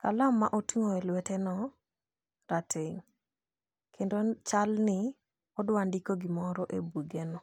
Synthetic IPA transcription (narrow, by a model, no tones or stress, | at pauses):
kalamːaʔotiŋoelwɛtɛnɔ | ɾatʰeŋ | kʰendot͡ʃalnɪ | ɔdwandikoɡɪmɔɾɔʔebuɡenɔ